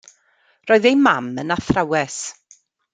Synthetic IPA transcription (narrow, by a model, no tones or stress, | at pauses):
rɔːɨðejmamənaθrawɛs